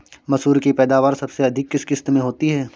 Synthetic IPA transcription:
mɐsuːɾkipɛːd̪aːʋaːɾsɐbseɐd̪ʱɪkːɪskɪst̪mẽɦoːt̪iɦɛː

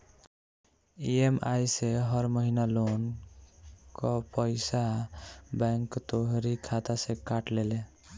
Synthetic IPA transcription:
iemʔajseɦəɾməɦinalon | kɔpəɪsa | bɛŋkt̪oɦɾikʰat̪asekaʈlele

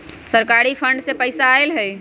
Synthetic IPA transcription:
səɾkaːɾipʰə̃ɳɖsepəɪsaːelɦɛː

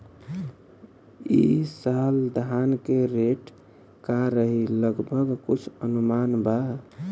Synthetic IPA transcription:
isald̪ɦankeɾeʈ | kaɾəɦiləɡbʱəɡkut͡ʃʰənumanba

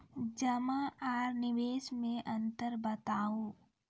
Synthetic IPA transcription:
d͡ʒəmaaːɾnɪʋeːʃmẽʔɐ̃nt̪əɾbət̪aːoː

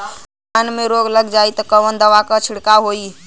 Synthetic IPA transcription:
aːnmẽɾoːɡləɡd͡ʒaːit̪ɔkəʋənd̪əʋakət͡ʃʰɪɽkaɦoːi

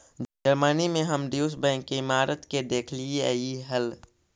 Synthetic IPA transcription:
d͡ʒəɾmənimẽɦəmɖiːs̬bɛ̃ŋkːeɪmaːɾʔət̪ked̪eːkʰlieiɦəl

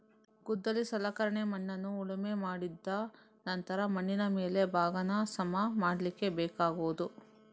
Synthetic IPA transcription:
ɡud̪ːɐlisɐlɐkɐɾɐɳemɐɳːɐnːuːɭɐmemaːɽid̪ːɐ | nɐnt̪ɐɾɐmɐɳːinɐmeːle̞bʱaːɡɐnɐsɐmɐmaːɽɐlikːe̞bɛːkaːɡoːd̪u

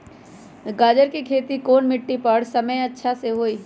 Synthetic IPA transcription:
ɡaːd͡ʒəɾkikʰeːt̪ikoːnmɪʈːipəɽsɐməjɐtːʃʰaseɦoːiː

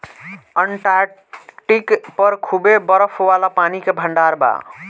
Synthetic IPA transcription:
əɳʈaɾ | ʈikpəɾkʰubebəɾəpʰwalapanikebʱəɳɖaɾba̰

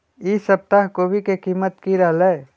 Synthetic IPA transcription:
isəp̚t̪aɦkoːbʱikekiːmət̪kiɾaːle

